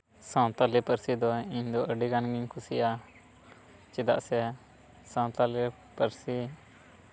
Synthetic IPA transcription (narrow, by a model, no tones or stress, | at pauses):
sãw̃t̪alipəɾsid̪ɔiɲd̪ɔʔəɖiɡanɡiɲkʰusija | t͡ʃid̪a̰ʔsɛ | sãw̃t̪ali | pəɾsi